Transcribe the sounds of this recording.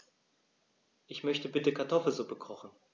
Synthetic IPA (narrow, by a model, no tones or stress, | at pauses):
ʔɪçmœçtəbɪtəkʰaɐtʰɔfl̩zoːbəkʰʁɔχn̩